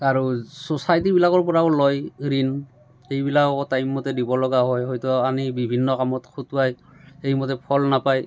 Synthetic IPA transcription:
aɹusosajt̬ibilakɔɹpɔɹaʊlɔjɹin | ejbilakɔktajmːɔtɛdibɔlɔɡaɦɔjɦɔjtuanibibʱinːɔkamɔtkʰutwaj | ejmɔtɛpʰɔlnapaj

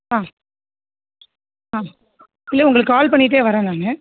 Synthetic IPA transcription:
aː | aː | ɪlːeʊŋɡɐɭɯkːaːlpɐɳːɪʈ̬ːeːʋɐɾãːnaːnɯ

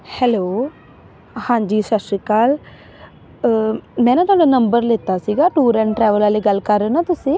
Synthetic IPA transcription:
hɛloː | hãːɲd͡ʒiːsəʃɾikaːl | mɛ̃ːnãːt̪ʊaːɽanəmbəɾleːt̪asiːɡaːʈuːɾɛ̃ɳʈʈɾɛːʋəlaːleɡəlkəɾenãt̪ʊsĩ

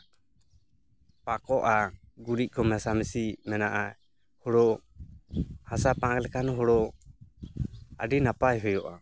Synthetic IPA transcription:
pakɔʔa | ɡuɾic̚ˀkɔmɛsamisimɛnaʔa | hɔɽɔʔ | hasapaŋklɛkʰanɔɦɔɽɔ | a̰ɖinapajɦɔjɔʔa

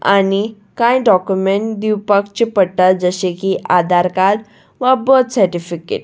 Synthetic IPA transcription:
a̰ni | kãjɖɔkjumeɳʈd̪iwpakt͡ɕipəɽʈad͡zəɕekiʔad̪ʱaɾkaɾ | ʋabət̪səɾʈifikḛʈ

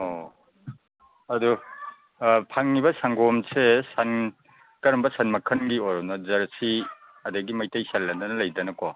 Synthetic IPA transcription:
o | ɐdu | pʰaŋnibɐsaŋɡɔmsesan | kɐɾɐmbɐsanmɐkʰɐnɡioɾɔnɐzɐɾsi | ɐdɐɡimɐjtɐjsalːɐndɐnɐlɐjdɐnɐko

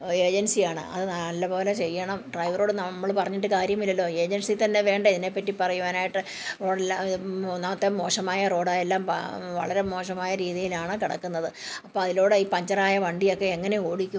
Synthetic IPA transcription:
e̞ːd͡ʑɐnsijaːɳɨ̰ʔɐ̰ðɨnalːɐpo̞ːlet͡ɕejːɐɳɐmɖrɐjʋɾoːɽɨnɐmːɐɭpɐrɐɲːiʈ̬ːɨkaːɾjɐmilːɐlːo̞ːe̞ːd͡ʑɐnsit̪ɐnːe̞ʋe̞ːɳɖɐiðine̞pːɐtːipɐrɐjuʋaːnaːjiʈːɨ | oːɽelːanaɐt̪ːemo̞ːʂɐmaːjɐro̞ːɽaːjelːaːmpʋɐ̰ɭɐɾe̞mo̞ːʂɐmaːjɐɾiːðijilaːɳɨkiɽɐ̰kːunːɐðɨɐpːo̞ːɐðilo̞ːɽɨiːpɐɲd͡ʑɐraːjɐʋɐɳɖijo̞kːe̞eŋːɐne̞o̞ːɽikʲːu

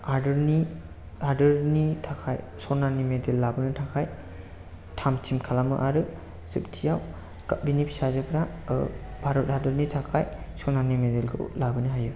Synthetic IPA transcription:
adɯɾni | aɾdɯɾnitʰakʰaj | sɔnanimedelːabɯnɯtʰakʰaj | tʰamtʰimkʰalamɯ̰ʔaɾɯ | sɯp̚tʰijaw | kabinipʰi̥sazɯpʰɾa̰ | bʱaɾɔt̚adɯɾnitʰakʰaj | sɔnanimedelɡʰɯ̰wlabɯnɯɦaju

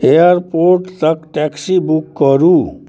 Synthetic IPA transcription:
ejəɾpoɾʈt̪əkʈɛksibukːəɾuː

